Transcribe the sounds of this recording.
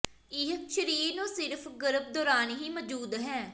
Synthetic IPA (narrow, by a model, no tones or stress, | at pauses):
ɪɦʃəɾiːɾnõːsɪɾpʰɡəɾəb̚d̪oːɾaːnːɦiːməd͡ʒuːd̪ɦɛ̃ː